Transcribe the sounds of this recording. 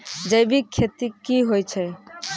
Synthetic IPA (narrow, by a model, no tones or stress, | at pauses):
d͡ʒejbikʰːet̪ikːiɦojt͡ɕʰe